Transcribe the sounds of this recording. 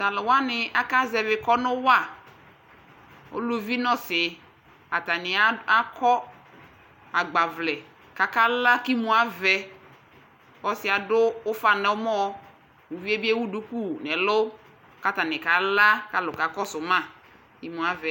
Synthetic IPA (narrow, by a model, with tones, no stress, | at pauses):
da˨lʊ˨wa˦nɪ˨a˦ka˦zɛ˨vɪ˨kɔ˦nʊ˦wa˦˨ | o̰˦lu˦vi˦nɔ˦sɪ˨ | a˨ta˨nɪ˨a˦a˦kʰɔ˦ | a˨ɡ͡ba˨vlɛ˨ | ka˨ka˦la˦ki˦mũ˨a˨vɛ˨ | ɔ˨sɪ˨a˨dʊ˦ʊ˦fa˨nɛ˨ʊ˦mɔ˦ | u˨vi˦e˦bi˦e˦wu˦du˦ku˦nɛ˨lʊ˦ | ka˦ta˨nɪ˨ka˨la˦ka˨˦lʊ˨ka˨kɔ˦sʊ˨mã˦˨ | ki˦mũ˨a˦vɛ˨˦